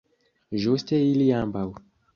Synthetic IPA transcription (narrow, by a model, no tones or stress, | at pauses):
ʒostʲɛilijambaw